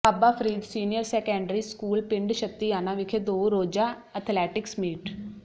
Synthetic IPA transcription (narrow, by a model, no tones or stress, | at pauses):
abaːpʰɾiːd̪siːnɪjəɾsɛːkɛ̃ːɳɖɾiːskuːlpɪɳɖʃət̪ːiaːnãːʋɪkʰed̪oːɾoːd͡ʒaː | ət̪ʰlɛːʈɪksmiːʈ